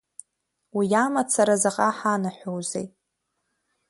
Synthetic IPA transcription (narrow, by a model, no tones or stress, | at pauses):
wijamat͡sʰaɾazaqʼaħanaħʷᶣowzḛjtʼ